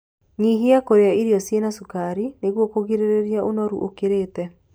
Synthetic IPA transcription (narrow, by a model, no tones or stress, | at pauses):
ɲiɦiakoɾeaiɾjɔsienasukaɾineɣwɔkoɣiɾeɾeɾjaʔonɔɾṵʔokeɾeːtɛ